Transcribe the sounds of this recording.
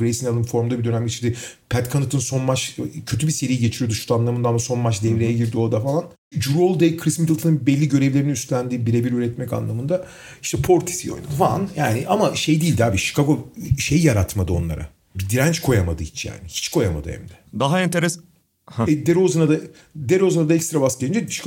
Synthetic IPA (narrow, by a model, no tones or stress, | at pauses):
ɯɾesinalˠɯmfo̞ɾmd̪abid̪ø̞næmɟe̞t͡ʃʰiɾd̪ipʰæt̪kʰanɯt̪ʰɯnso̞nmat͡ʃcʰø̞t̪ʰybise̞ɾijiɟet͡ʃʰiɾijod̪uʃu̥t̪ʰanlˠamɯnd̪amaso̞nmat͡ʃd̪ɛvɾejɛɟiɾd̪io̞d̪afalˠan | d͡ʒuɾolˠd̪ɛkʰɾismit̪ilˠt̪ɯnɯnbɛlʲːiɟø̞ɾɛvlʲeɾiniyst̪lʲænd̪ibiɾebiɾyːɾɛt̪mɛca̰nlˠamɯnd̪a | i̥ʃt̪ʰɛpʰo̞ɾt̪ʰi̥sijojnufanjaːniʔamaʃe̞jd̪iːlʲd̪iaːbiʃi̥kʰaɡoʃejːaɾat̪mad̪ɯo̞nlˠa̰ɾʔa̰ | bid̪iɾænt͡ʃkʰo̞jamad̪ɯit͡ʃja̰ːnihi̥t͡ʃkʰo̞jama̰d̪ɯhɛ̰md̪ɛ̥d̪aɦaɛnt̪ʰeɾɛs | hɛd̪eɾozɯnad̪a | d̪eɾo̞zɯnad̪aɛkst̪ɾabascelʲind͡ʒeʃi̥k